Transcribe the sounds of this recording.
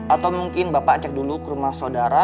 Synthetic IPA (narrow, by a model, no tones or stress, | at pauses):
at̪awmuŋkɪnbapat͡ʃɛk̚dulukəɾumahsawdaɾa